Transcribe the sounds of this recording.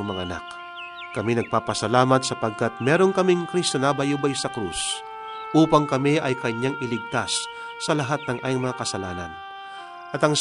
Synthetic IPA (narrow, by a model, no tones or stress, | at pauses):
ŋmɐŋa̰ʔɐna̰k | kɐminɐɡ̚paːpɐsɐlaːmɐt̪sɐpɐɡ̚kat̪̚mɛːɾo̞nkɐmɪŋkɾist̪onabɐjʊbɐjsɐkɾṵs | ʔuːpɐŋkɐmɪʔɐjkɐɲaŋɪlɪɡ̚t̪asː | ɐlɐɦat̪̚nɐŋʔaːjɪŋmɐŋakɐsɐlaːnɐ̰n | ʔɐt̪ɐŋs